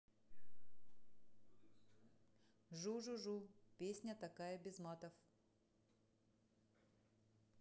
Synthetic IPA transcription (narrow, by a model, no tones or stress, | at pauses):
ʐuʐuʐupʲesʲnʲət̪ɐkajəbʲɪzmat̪əf